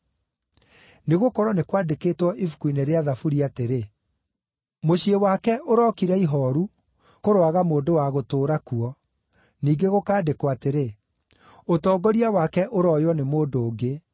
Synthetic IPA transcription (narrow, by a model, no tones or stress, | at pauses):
neɣokɔɾɔnekwadekeːtwɔʔifu̥kuineɾeaðafuɾiateɾe | moɕiewakɛʔoɾɔkiɾɛiɦɔɾu | koɾwaɣamoːndowaɣotoːɾakuɔ | niːɡeɣokaːdekoateɾe | otɔːɡɔɾiawakɛʔoɾɔjwɔnemoːdoːɡe